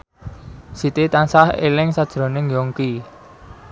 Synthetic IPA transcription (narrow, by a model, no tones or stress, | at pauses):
sit̪it̪ansahḛlɪŋsad̥ʒ̥ɾo̤nɪŋjɔŋki